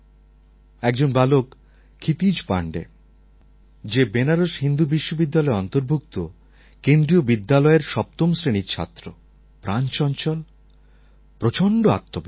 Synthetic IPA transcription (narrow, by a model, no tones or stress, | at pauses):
ɛk̚d͡ʑonbalokʰː | it̪id͡ʑpa̰ɳɖḛ | d͡ʑebenaɾoʃɦind̪ubiʃːobid̪ːalɔeɔnt̪oɾbʱuk̚t̪o | kend̪ɾiobid̪ːalɔeɾʃɔp̚t̪omsɾeniɾt͡ɕʰa̰t̪ːɾo̰ | pɾant͡ɕɔnt͡ɕɔl | pɾot͡ɕoɳɖoa̰t̪ʰːob